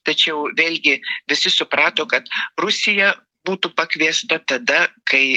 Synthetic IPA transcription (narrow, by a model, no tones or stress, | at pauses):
t̪ɐt͡ʃʲɛʊʋʲeːlʲɡʲɪʋʲɪsʲɪsʊpɾɑːt̪oːkɐt̪rʊsʲɪjɛ | buːt̪upɐkʋʲiɛst̪ɐt̪ɐd̪ɐkɐɪ